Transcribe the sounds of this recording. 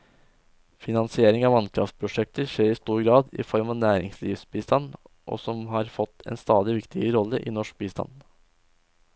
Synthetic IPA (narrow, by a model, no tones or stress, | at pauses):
fɪnɑnsɪeːɾɪŋɑːʋɑnkʰɾɑ̰ft̪̚pʰɾʊʂɛk̚t̪əɾʂeːɾɪst̪uːɾɡɾɑːd̪ɪ̰fɔɾmɑnæːɾɪŋslḭːʋsbiːst̪ɑnː | ʔɔ̰sɔmɦɑɾfɔt̪ʰːɛ̰nst̪ɑːd̪ɪʋɪkt̪ʰɪəəɾɔlːəʔḭːnɔʂk̚biːst̪ɑ̰n